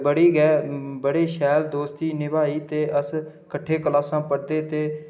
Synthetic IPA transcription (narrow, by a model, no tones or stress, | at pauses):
bəɽiːɡɛːbəɽeːʃɛːld̪oːst̪iːnɪbaːiːt̪eːʔəs | kəʈʰːeːkəlaːsãːpəɾd̪eːt̪eː